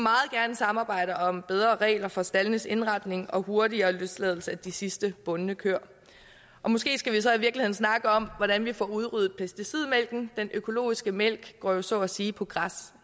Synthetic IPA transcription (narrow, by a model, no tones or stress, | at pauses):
mɑ̈ːð̩ˠɡ̥æɐnəsɑ̈mɑ̈ːb̥ɑ̈ɪ̰ɾ̥ɐɒ̽mb̥eð̞ˠʁɐːʁɛ̰ːlɐfɒ̽sd̥ælnəse̝nʁɑ̈d̥ne̝ŋɒ̽ho̝ɐɾiɐːløslɛð̞ˠl̩səæd̥isisd̥əb̥ɔ̽nnəkʰøɐ̰ | ʔɒ̽mɔ̽sɡ̥e̝̰ːsɡ̥æʋisɒ̽iʋiɐɡlihe̝̰n̩snɑ̈ɡ̥əɒ̽mʋɒɾ̥ænʋifɒ̰uð̞ˠʁyð̩ˠpʰesd̥isið̰ˠmel̰ɡ̥n̩d̥enʔøkʰo̝lo̝̰ːisɡ̥əmel̰ɡ̥ɡ̥ɒ̰ːjo̝sɒ̽ɒsiːpʰɒ̽ɡ̥ʁas